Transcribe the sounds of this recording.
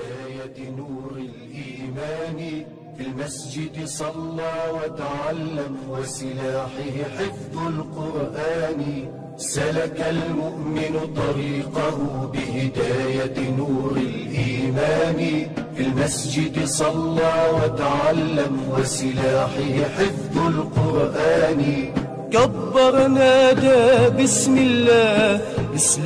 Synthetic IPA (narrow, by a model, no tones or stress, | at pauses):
aːjanuːɾɪlʔiːmaːn | filmasd͡ʒɪd̪sˤɑlːɑːwat̪aʕalːamwɪsɪlaːħɪhɪħɪfðˤʊlqʊɾʔaːnɪ | salakalmʊʔmɪnʊt̪ˤɑɾiːqahʊbɪhɪd̪aːjanuːɾɪlʔiːmaːnɪfilmasd͡ʒɪd̪sˤɑlːɑːwat̪aʕalːamwasɪlaːħɪhħɪfˤːʊlqʊɾʔaːnɪ | kabːɑɾˤnaːʔd̪aːbɪsmɪlːaːbɪs